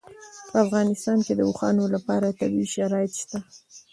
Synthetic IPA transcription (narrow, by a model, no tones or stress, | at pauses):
pəafɣɑnɪst̪ɑnked̪əuxɑnolapɑɾat̪abiʃaɾɑjɪt̪ʃt̪a